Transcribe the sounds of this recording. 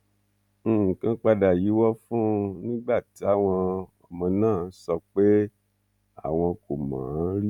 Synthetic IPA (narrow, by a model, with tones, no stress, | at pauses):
kã˦k͡pa˧da˨ji˨˦wɔ˦fũ˦nĩ˦ɡ͡ba˦˨ti˨˦a˦˨w̃ɔ̃˧ɔ˨mɔ̃˧nãː˦˨n̩˦sɔ˧k͡pe˦ | a̰˦˨w̃ɔ̃˧ko˨mã̰ː˨˦ɾi˦